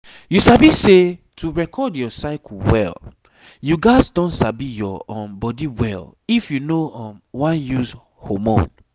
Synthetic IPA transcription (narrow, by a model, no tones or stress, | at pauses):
jusabisetuɹɛkʰɔdjɔsaɪkwɛ̰l | juɡaɪzdɔ̃nsabijɔɔ̃mbɔdiwɛ̰lifjunoɔ̃mwãnjuz | homõ̰n